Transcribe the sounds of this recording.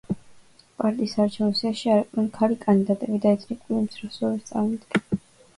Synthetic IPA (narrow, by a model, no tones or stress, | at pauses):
pʼaɾt̪ʼiːsaːɾt͡ʃʰɛvnisaʃiaɾɛk̪ʼɛnkʰalikʼand̪id̪at̪ʼɛbid̪aɛsʰnikʼwiimsʰɾɔsɔɾɛtt̪sʼa̰mmid̪ɡɛn